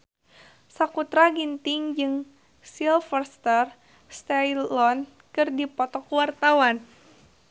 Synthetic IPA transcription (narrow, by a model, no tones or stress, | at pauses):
sakut̪ɾaɡint̪ɪŋd͡ʒɨŋ | silfərst̪ər | st̪ajlɔn | kɨrdipɔt̪ɔkuwart̪awan